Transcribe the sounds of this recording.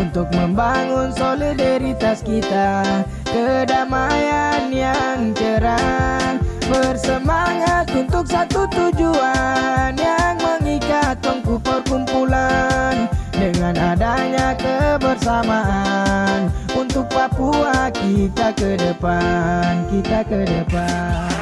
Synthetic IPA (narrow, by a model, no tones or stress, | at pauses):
unt̪ʊk̚məmbaŋʊnsolidaɾit̪askit̪a | kədamajanjaŋkəɾanbərsəmaŋat̪unt̪ʊksat̪ut̪ud͡ʒuanjaŋməŋikat̪̚kɔŋpupərkumpulandəŋanadaɲakəbərsamaʔanunt̪ʊk̚papuakit̪akədəpankit̪akədəpann